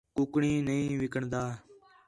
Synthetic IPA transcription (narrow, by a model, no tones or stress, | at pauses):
kʊːkɳĩːnəĩːʋɪkəɳd̪aː